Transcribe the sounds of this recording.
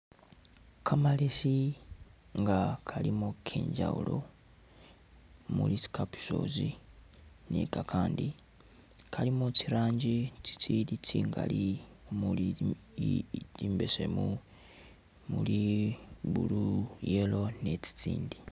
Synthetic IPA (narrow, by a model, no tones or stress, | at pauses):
kʰamalesi | ŋɡakʰalimokʰḛːɲɟa̰ṵlo̞ | mulisi̥kapi̥so̞̰ːzi | nekakʰaːndi | kʰalimot͡ʃiɾaːɲɟit͡si̥t͡silit͡siːŋɡa̰li | muli | iːmbesḛmu | muli | βṵlujelo̞net͡si̥t͡siːndi